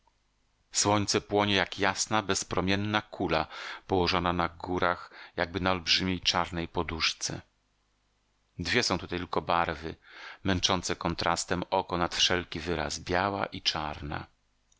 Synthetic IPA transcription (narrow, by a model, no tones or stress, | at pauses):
swɔɲt̪sɛpwɔɲɛjakjasnabɛspɾɔmʲjɛnːakʰulapɔwɔʐɔnanaɡuɾaxjaɡ̚bɘnaɔlbʐɘmʲjejt͡ʂaɾnɛjpɔd̪uʂt̪sɛ̰ | d̪vʲjɛsɔ̃w̃t̪ut̪at̪ɘlkɔbaɾvɘmɛnt͡ʂɔnt̪sɛkɔnt̪ɾʔa̰st̪ɛmɔkɔnat̪fʂɛlkʲivɘɾa̰zbʲjawa̰ʔit͡ʂaɾna̰